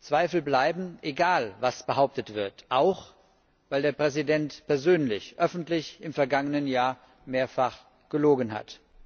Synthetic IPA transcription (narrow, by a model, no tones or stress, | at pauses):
t͡sv̥aɪfl̩blaɪbm̩ʔeɡaːlvasb̥əɦaʊp̚tətv̥ɪɐtʔaʊx | vaɪldeːɐpʁ̥ɛzidɛntpʰɛɐzøːnlɪçʔœfn̩tlɪçɪmfɛɐɡaŋənənjaːɐ | meːɐfaχ | ɡ̥əloːɡənɦa̰t